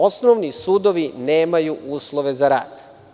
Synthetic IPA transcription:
o̞snoʋnisuːd̪oʋineːmajuʔuːslˠoʋe̞zaɾa̰ːd̪

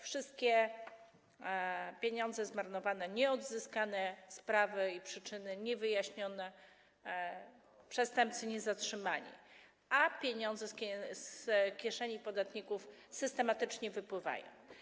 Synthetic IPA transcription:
fʂɘst̪̚kʲɛ | pʲjeɲɔ̃nd̪zɛzmaɾnɔvanɛɲɛɔd̪zɘskanɛspɾavɘipʂɘt͡ʂɘnɘɲɛvɘjaɕɲɔnɛ | pʂɛst̪ɛmp̚t̪sɘɲɛzatʂɘmaɲḭ | apʲjeɲɔnd̪zɛsʲskʲjɛʂɛɲipɔd̪at̪ɲikufsɘst̪ɛmat̪ɘt͡ʂɲɛvɘpwɘva̰jɔ̰̃w̃

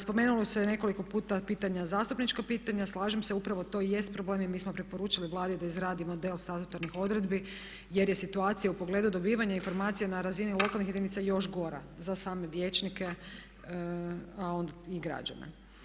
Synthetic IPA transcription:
spo̞me̞ːnulosene̞ko̞liko̞puːt̪apiːt̪aɲazaːst̪upnit͡ʃkapiːt̪aɲaslˠaːʒemseupɾaʋot̪o̞je̞st̪̚pɾoblemimiːsmopɾipo̞ɾuːt͡ʃiliʋlˠaːd̪id̪aizɾaːd̪imo̞d̪e̞lˠst̪at̪ut̪aɾnixo̞d̪ɾe̞d̪bi | jeɾjesit̪uaːt̪sijaupo̞ɡle̞d̪ud̪o̞biːʋaɲainfo̞ɾmaːt̪sijenaɾazinilˠo̞kalˠnixçjed̪init̪sajo̞ʃɡo̞ɾa̰zasaːme̞ʋjet͡ʃnike̞ | ao̞nd̪aiɡɾa̰d͡ʒa̰nḛ

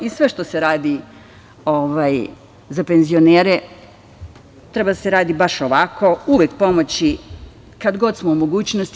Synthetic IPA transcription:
isʋe̞ʃt̪o̞seɾaːd̪i | oʋaj | zape̞nzio̞neːɾe | t̪ɾe̞bad̪ase̞ɾaːd̪ibaʃo̞ʋako̞uʋʲjekpo̞mot͡ɕi | kad̪ɡo̞d̪smoumo̞ɡuːt͡ɕnost̪

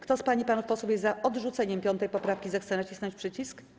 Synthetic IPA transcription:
kt̪ɔspaɲipanufpɔsupjɛzaʔɔd̪ʐut̪sɛɲɛmpʲjɔnt̪ɛjpɔpɾafkʲizɛxt̪sɛnat͡ɕisnɔ̃ɲt͡ɕʲpʂɘt͡ɕisk

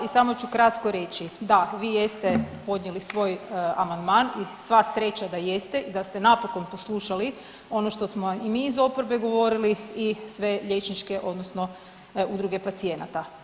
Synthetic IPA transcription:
isamot͡ɕukɾat̪koɾe̞t͡ɕid̪aʋiːje̞st̪epo̞d̪ɲelisʋo̞ːjamand̪maːnisʋasɾe̞t͡ɕad̪aje̞st̪e̞id̪ast̪e̞napo̞ko̞npo̞slˠuʃali | o̞noʃt̪o̞smoimiːzo̞poɾbe̞ɡo̞ʋo̞ɾiliisʋe̞ʎe̞t͡ʃnit͡ʃke̞ʔo̞d̪nosno̞ | ud̪ɾuɡe̞pat̪sije̞nat̪a

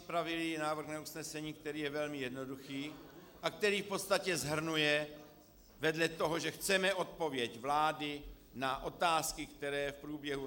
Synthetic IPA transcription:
pɾavɪlinaːvr̩xnausnɛsɛɲiːkt̪ɛɾiːjɛvɛlmɪjɛdno̞duxiː | ʔak̚t̪ɛɾiːfpo̞t̪st̪acɛzɦr̩nujɛ | vɛdlɛt̪o̞ɦo̞ʒɛxt͡sɛmɛʔo̞t̪̚po̞vjɛcvlaːdɪ | naʔo̞t̪aːskɪkt̪ɛɾɛːfpɾuːbjɛɦu

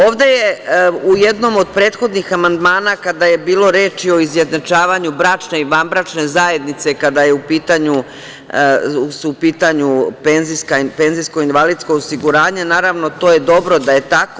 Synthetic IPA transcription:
o̞ːʋd̪e̞je̞uje̞d̪no̞mo̞d̪pɾe̞ːt̪xo̞d̪nixamand̪maːnakad̪aje̞biːlˠo̞ɾeːt͡ʃio̞izje̞d̪nat͡ʃaːʋaɲubɾaːt͡ʃne̞iʋanbɾat͡ʃne̞zaje̞d̪nit̪se̞kad̪ajeupiːt̪aɲu | supiːt̪aɲupenziskape̞nzijsko̞inʋalid̪sko̞osiɡuɾaːɲe̞naːɾaʋno̞t̪o̞ːje̞d̪o̞bɾo̞d̪aje̞t̪ako

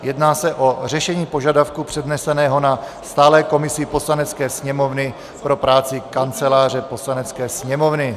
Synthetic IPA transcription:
jɛdnaːsɛʔo̞r̝ɛʃɛɲiːpo̞ʒadafkupr̥ɛdnɛsɛnɛːɦo̞na | st̪aːlɛːko̞mɪsɪpo̞slanɛt͡skɛːsɲɛmo̞vnɪ | pɾo̞pɾaːt͡sɪkant͡sɛlaːr̝ɛpo̞slanɛt͡skɛːsɲɛmovnɪ

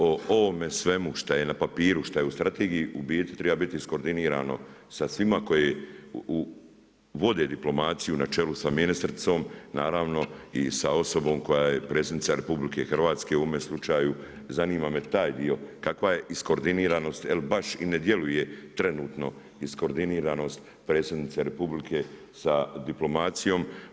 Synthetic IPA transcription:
oo̞ʋomesʋe̞muʃt̪aje̞napapiːɾuʃt̪ajeust̪ɾat̪eːɡijiʔubiet̪i̥t̪ɾe̞babit̪iisko̞ɾd̪iniːɾa̰ːno̞̰ | sasʋimako̞jeu | ʋo̞d̪e̞ːd̪iplo̞maːt̪sijunat͡ʃelusaminist̪ɾt̪so̞ːmnaːɾaːʋno̞isao̞so̞bo̞ːmko̞jajepɾet̪sed̪nit̪saɾepublike̞xrʋaːt̪ske̞uomeslˠut͡ʃaːju | zaniːmaːme̞t̪aːjd̪io̞kakʋaje̞ʔiskoɾd̪iniːɾano̞ːst̪jelbaʃḭned̪je̞luje̞t̪ɾe̞nuːt̪no̞ | isko̞ɾd̪iniːɾaːno̞ːst̪ | pɾet̪sed̪nit̪seɾe̞publikʰe | sad̪iplo̞mat̪sijo̞ːm

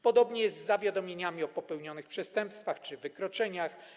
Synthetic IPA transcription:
pɔd̪ɔbɲɛjɛzzːavʲjad̪ɔmʲjeɲamʲiɔpɔpɛwɲɔnɘxpʂɛst̪ɛ̃mpst̪faxt͡ʂɘvɘkɾɔt͡ʂɛɲax

